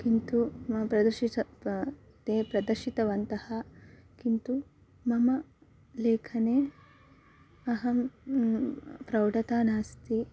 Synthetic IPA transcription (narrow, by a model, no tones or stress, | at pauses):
kint̪upɾɐd̪ɐɾʃitɐ | t̪eːpɾɐd̪ɐɾʃit̪ɐʋɐnt̪ɐhɐkint̪u | mɐmɐ | leːkʰɐneː | ɐɦɐm | pɾɐwɖɐt̪aːnaːst̪i